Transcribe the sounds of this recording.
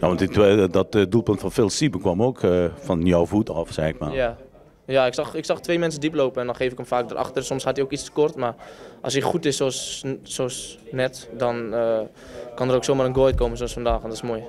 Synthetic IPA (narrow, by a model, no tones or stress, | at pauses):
jaʋɔntitdɔtdulˠpøntfɔnfɪːlˠsipəkwɔmoːkfɔnjɔwvutɔfsɛɪkmaa | jaɪksɑxɪksɑχtʋejmɛnsədiploːwpəɛndɔnχeːfɪkəmfaːk̚dərʔɑ̰xtərsɔmshatiokit͡stə̥kɔrtmarʔɔ̰siχutɪsossoːsnɛtdɔnə | kɑndəroːksomaːrənɡojt̚kowmənsoɔsfɔndaːxɔndɔtɪsmoːj